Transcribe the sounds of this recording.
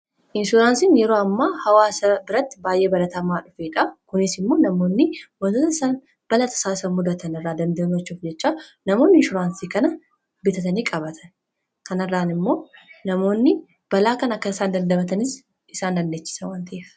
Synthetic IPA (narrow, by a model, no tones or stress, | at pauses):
ʔɪnʃʊɾaːnsinjɛɾoːɐmːaːhɐwaːsɐbɪɾɐt̪ːɪbaːjʔe̞ːbɐlɐt̪ɐmaːᶑʊfeːᶑɐkʊnɪsɪmːo̞ːnɐmo̞ːnːɪwɔt̪ɐt̪ɐɪsaːn | b̥ɐlɐt̪ʰɐ̥saːɪsɐmʊd̪ɐt̪ʰɐnɪrːaːd̪ɐnd̪ɐnɐt͡ʃːuːfd͡ʒɛt͡ʃːaːnɐmo̞ːnːɪnʃʊɾaːnsiːkɐnɐ | bɪt̪ɐt̪ɐniːkʼɐβɐt̪ʰɐ̥n | kɐnɐrːaːnɪmːo̞ːnɐmo̞ːnːɪ | b̥ɐlaːkɐnɐkːɐɪsaːnd̪ɐnd̪ɐbɐt̪ɐnɪs | ʔɪsaːnd̪ɐnd̪eːt͡ʃːɪ̥sɐwant̪ʰɐʔeːf